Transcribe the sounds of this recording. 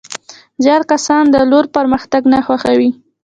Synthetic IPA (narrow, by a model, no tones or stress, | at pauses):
zjɑɾkasɑnd̪əloɾpaɾməxt̪aɡnaxwaxawi